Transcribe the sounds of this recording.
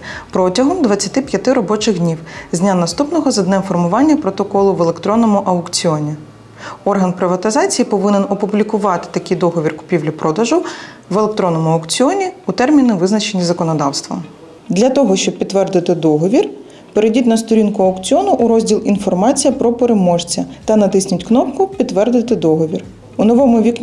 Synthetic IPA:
pɾɔtʲɐɦɔmd̪ʋɐt͡sʲːɐt̪ɪpʲjɐt̪ɪɾɔbɔt͡ʃɪɣd̪ʲnʲiwzʲnʲanɐst̪upnɔɦɔzɐd̪nɛmfɔrmʊʋɑnʲːɐpɾɔt̪ɔkɔlˠʊʋelˠekt̪ɾɔnɔmʊʔɐʊkt͡sʲiɔnʲi | ɔrɦɐnpɾɪʋɐt̪ɪzɑt͡sʲijipɔʋɪnɪnɔpʊblʲikʊʋɑt̪ɪ̥t̪ɐkʲijd̪ɔɦɔʋʲirkʊ̥pʲiwlʲʊpɾɔd̪ɐʒʊ | ʋelˠek̚t̪ɾɔnɔmʊɐʊkt͡sʲiɔnʲiut̪ɛrmʲinɪʋɪznɐt͡ʃe̞nʲizɐkɔnɔd̪ɑwst̪ʋɐ̰ | d̪lʲɐt̪ɔɦɔʃt͡ʃɔb̚pʲid̪t̪ːʋɛrd̪ɪt̪ɪd̪ɔɦɔʋʲir | peɾedʲitʲnɐst̪ɔɾʲinkʊɐʊkt͡sʲiɔnʊʔːɾɔzʲdʲilˠinfɔrmɑt͡sʲijɐpɾɔpeɾemɔʒt͡sʲɐt̪ɐnɐt̪ɪsʲnʲʊtʲknɔpkʊpʲidt̪ːʋɛrd̪ɪt̪ɪd̪ɔɦɔʋʲir | ʊnɔʋɔmʊʋʲikʲ

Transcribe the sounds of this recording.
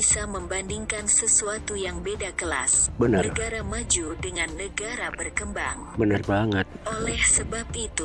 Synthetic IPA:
isaməmbandiŋkansəsuat̪ujaŋbedakəla̰sbənənəɡaɾamad͡ʒudəŋanːəɡaɾabərkəmbaŋbənarbaŋət̪̚olɛhsəbap̚it̪u

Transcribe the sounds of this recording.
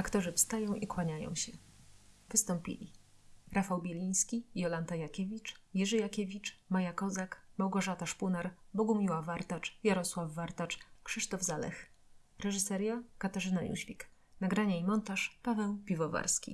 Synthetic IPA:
akt̪ɔʐɘfst̪ajɔ̃w̃ʔikwaɲajɔ̰̃w̃ɕɛ | vɘst̪ɔmpʲḭlʲḭɾafawbʲjelʲij̃skʲijɔlant̪ajakʲevʲit͡ʂjɛʐɛjakʲɛvʲit͡ʂmajakɔzakmawɡɔʐat̪aʂpunaɾbɔɡumʲiwavaɾt̪at͡ʂjaɾɔswavːaɾt̪at͡ʂkʂɘʂt̪ɔvzalɛ̰x | ɾɛʐɘsɛɾjakat̪aʐɘnalʲṵɕvʲḭknaɡɾaɲaimɔnt̪aʂpavɛwpʲivɔva̰ɾskʲḭ

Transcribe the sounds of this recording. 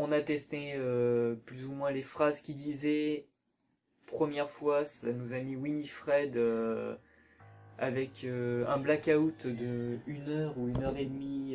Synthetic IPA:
ɔ̃nat̪ɛst̪eøplyzumwɛ̃lefχazkʲid̪izɛ | pχəmjɛʁfwasanozamiwinifχɛd̪ø | a̰vɛkʰøɛ̃blakaut̪d̪əynœʁuynœʁed̪mi

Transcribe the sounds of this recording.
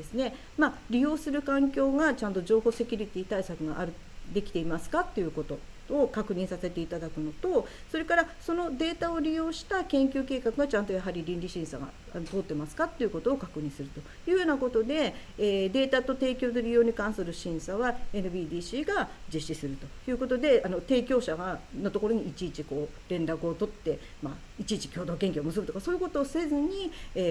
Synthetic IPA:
d̪e̞sɨne̞ | maɾʲijo̞ːsɨɾɯ̟kãŋkʲo̞ːɡat͡ɕãnt̪o̞ʑo̞ːho̞ːse̞kʲɯɾʲit̪ʲiːt̪aisakɯ̟ɡaʔaɾɯ̟ | d̪e̞kʲi̥t̪e̞imasɨ̥kat̪ːe̞jɯ̟ːko̞t̪o̞ | okakɯ̟ɲ̟ĩsase̞t̪e̞it̪ad̪akɯ̟no̞t̪o̞ | so̞ɾe̞kaɾaso̞no̞d̪e̞ːt̪aoɾʲijo̞ːɕi̥t̪akẽ̞ŋkʲɨ̟ːke̞ːkakɯ̟ɡat͡ɕãnt̪ojaɦaɾʲiɾʲĩnɾʲiɕĩɰ̃sa̰ɡa̰ | at̪o̞ːt̪ːe̞masɨ̥kat̪ːeiɯ̟ko̞t̪o̞ːkakɯ̟ɲ̟ĩsɨɾɯ̟t̪o̞ | jɯ̟ːjo̞ːnako̞t̪o̞d̪e̞ːd̪e̞ːt̪at̪o̞t̪e̞ːkʲo̞ːt̪o̞ɾʲijo̞ːɲ̟ikãɰ̃sɨɾɯ̟ɕĩɰ̃saβae̞nɯ̟biːd̪iːɕiːɡad͡ʑiɕːisɨɾɯ̟t̪o̞jɯ̟ːko̞t̪o̞d̪e̞ano̞t̪e̞ːkʲo̞ːɕano̞t̪o̞ko̞ɾoɲ̟iːt͡ɕiːt͡ɕiko̞ː | ɾẽ̞nɾakɯ̟ot̪o̞t̪ːe̞ | ma | it͡ɕiːt͡ɕi̥kʲo̞ːd̪o̞ːkẽ̞ŋkʲomɯ̟s̬ɨbɯ̟t̪o̞kaso̞ːjɯ̟ko̞t̪o̞ːse̞zɨɲ̟ieː

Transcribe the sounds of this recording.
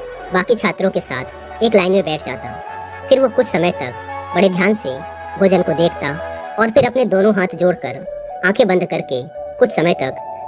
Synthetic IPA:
baːkit͡ʃʰaːt̪ɾõkesa̰ːt̪ʰ | eːklaːɪnmẽbɛːʈʰd͡ʒa̰ːt̪a̰ | pʰɪɾʋokʊt͡ʃʰsɐmət̪ɐ̰k̚bɐɽed̪ʱjaːnse | bʱoːd͡ʒənkod̪eːkʰt̪aɔːɾpʰɪɾɐpned̪oːnõɦaːt̪ʰd͡ʒoːɽkəɾ | ãːkʰebɐ̃nd̪kɐɾke | kʊt͡ʃʰsɐməjt̪ɐk

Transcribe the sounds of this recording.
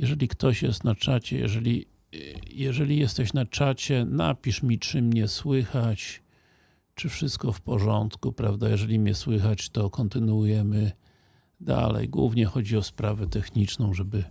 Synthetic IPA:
jɛʐɛlʲikt̪ɔɕjɛst̪nat͡ʂat͡ɕɛ̰jɛ̰ʐɛlʲi | jɛʐɛlʲijɛst̪ɛɕnat͡ʂat͡ɕɛna̰pʲiʂmʲit͡ʂɘmɲɛswɘxat͡ɕ | t͡ʂɘfʂɘst̪̚kɔfpɔʐɔnt̪kupɾavd̪ajɛʐɛlʲimɲɛswɘxat͡ɕt̪ɔkɔnt̪ɘnwujɛmɘ | d̪a̰lɛ̰jɡwṵvɲɛxɔd͡ʑiɔspɾavɛt̪ɛxɲit͡ʂnɔ̃w̃ʐɛbɘ

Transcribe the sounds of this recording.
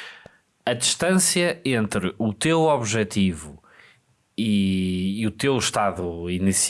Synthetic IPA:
ɐðiʃt̪ɐ̃sjɐẽnt̪ɾɨut̪ewɔβʒɛt̪ivu | i | ut̪ewʃt̪aðuinis

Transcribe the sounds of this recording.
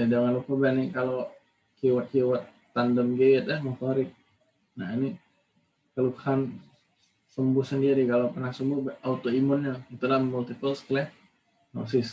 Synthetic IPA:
jad͡ʒaŋanlupabɛnikalo | kiwat̪̚kiwat̪ːandəmɡeːt̪̚ahmot̪oɾɪk̚ | naini | kalukhan | səmbʊhsəndiɾikalopənaksəmbʊhbaut̪oimʊnɲait̪ulahmult̪ipəlskəlɛh | no̰sɪs

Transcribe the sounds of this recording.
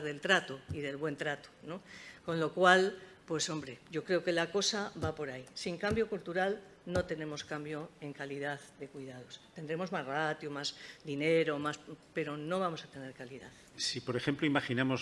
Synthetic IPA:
ɾðe̞lt̪ɾat̪oiðe̞lβwe̞nt̪ɾat̪o̥no̞ko̞nlo̞kwalpwe̞so̞mbɾe̞ɟ͡ʝo̞kɾe̞oke̞lako̞saβapo̞ɾaisiŋkambjo̞kolt̪uɾal | no̞t̪e̞nẽ̞mo̞skambjo̞e̞ŋkaliðaððe̞kwiðað̞o̞st̪e̞nd̪ɾe̞mo̞zmazrat̪jomazd̪ine̞ɾomaspe̞ɾo̞no̞β̞amo̞sat̪e̞ne̞ɾkaliða̰ð | sipo̞ɾe̞xe̞mploimaχinamo̞s

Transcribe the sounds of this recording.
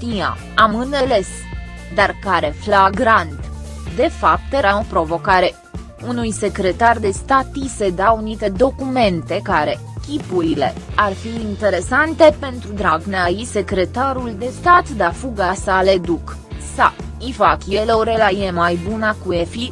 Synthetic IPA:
t̪ija̰ | amɨne̞le̞s | d̪arkaɾe̞flaɡɾant̪ | d̪e̞fap̚t̪eɾao̞pɾo̞vo̞kaɾe̞ | unujse̞kɾe̞t̪ard̪e̞st̪at̪ise̞d̪aunit̪e̞d̪o̞kume̞nt̪e̞kaɾe̞ | kʲipuɾilearfiːnt̪e̞ɾe̞sant̪e̞pe̞nt̪ɾud̪ɾaɡneajise̞kɾe̞t̪aɾuld̪e̞st̪at̪d̪afuɡasale̞d̪uk | sa | ifakʲjeleoɾelajemajbunakuefi

